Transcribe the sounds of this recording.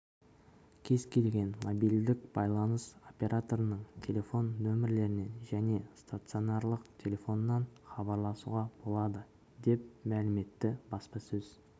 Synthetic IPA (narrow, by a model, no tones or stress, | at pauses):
kʲʰe̞zkʲʰe̞lɡʲe̞nmobijld̪ɪk̚b̥ɑjlˠɑnəso̞pʲe̞ɾat̪o̞ɾənəɴt̪ʲʰe̞lʲe̞fo̞nːɵmɪɾle̞ɾɪne̞nʒæne̞st̪at̪sɨio̞nɑɾlˠəqt̪ʲʰe̞lʲe̞fo̞nːɑnχɑbɑɾlˠɑsṵʁɑb̥o̞lˠɑd̪ə | d̪e̞p̚mælɪme̞t̪ːɪbɑspɑsɵz̥